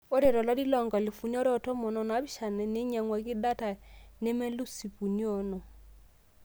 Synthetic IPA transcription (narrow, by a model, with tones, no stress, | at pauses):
o˦ɾe˨ɾɔ˨la˦di˦lɔ˨ŋɡa˨li˨fu˨njɔ˦ɾɔ˦tɔ˦mɔ˨nɔ˨n˨a˨˦bi˦ʃa˨nɛ˨ne˦ɲa˨ŋwa˨kɪ˦da˦ta˨ne˦mɛ˦lu˦si˨pu˨ni˦ɔ˨nɔ˨